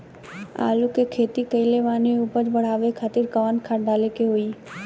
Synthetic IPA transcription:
a̰ːlukekʰeːt̪ikəɪleʋaːneupəd͡ʒbəɽ̤aːʋekʰaːt̪ɪɾkəʋaːnkʰaːʈɖaːlekeɦoiː

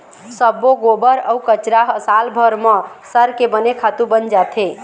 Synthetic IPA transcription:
səbːoɡobəɾəukət͡ʃɾaɦəsalbʱəɾmə̃səɾkebənekʰat̪ubənd͡ʒat̪ʰe

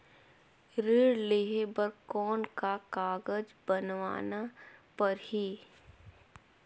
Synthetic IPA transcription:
ɾeːɽleːɦebəɾkɔːnkakaːɡəd͡ʒbənʋa̰ːnapɐɾhi

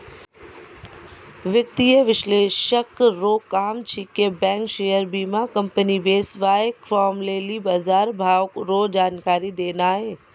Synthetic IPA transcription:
ʋjɐk̚t̪iəʋɪʃleːʃəkɾoːkaːmt͡ɕʰiːkebɛ̃ːŋkʃeːəɾbiːmakɐ̃mpənibeːsʋaːekfɔːɾmleːlibaːzaːɾbʱaːʋkɾoːd͡ʑaːnkaːɾid̪eːnaːɦeː

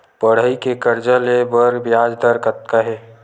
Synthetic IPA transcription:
pəɽ̤əikekəɾd͡ʒəlebəɾɡbjad͡ʒd̪əɾkət̪̚kaɦɛː

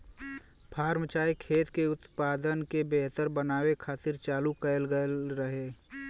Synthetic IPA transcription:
pʰaːɾmt͡ʃaːjikʰeːt̪keʊt̪paːd̪ənkebeɦt̪əɾbənaːwekʰaːt̪ɪɾt͡ʃaːlukəjlɡəlɾəɦeː

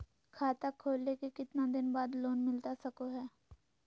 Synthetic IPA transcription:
kʰaːt̪akʰːoːlːekekɪt̪nad̪ɪnbaːd̪loːnmɪlt̪asɐkoɦɛː

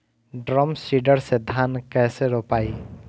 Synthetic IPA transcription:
ɖɾɔmsiɖəɾsed̪ʱaːnkɛːseɾoːpaːiː

